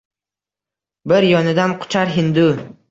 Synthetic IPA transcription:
bɪɾjɒnɪd̪anqʰʊ̥t͡ʃʰaɾɦɪnd̪ʊ

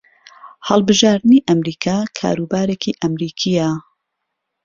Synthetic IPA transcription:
hɐlˠbɨʒaːɾd̪ɨniʔɐmɾiːkʰaːkʰa̰ːɾuːbaːɾeːkiʔɐmɾiːkʰijɐ

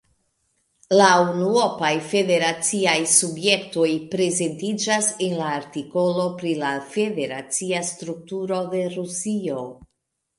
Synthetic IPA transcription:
launuo̞pajfe̞de̞ɾat͡siajsubje̞k̚to̞jpɾe̞ze̞ntid͡ʒase̞nlaːɾtiko̞lo̞pɾilafe̞de̞ɾat͡siastɾuk̚tuɾo̞de̞ɾusio̞

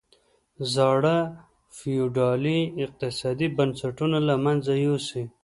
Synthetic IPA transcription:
zɑɽa | fijuɖɑliɪq̚t̪ɪsɑd̪ibansaʈunalamanzajosi

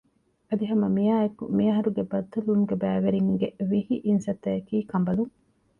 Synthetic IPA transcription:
ɐd̪iɦɐmɐmijaːekumiɐɦɐɾuɡebɐd̪ːɐluŋɡebæːʋeɾiŋɡeʋihiʔinsɐt̪eːkiːkɐmbɐluŋ

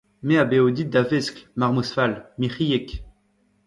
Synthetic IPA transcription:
meabeod̪it̪̚d̪avesklmaʁmusfalmiχijek

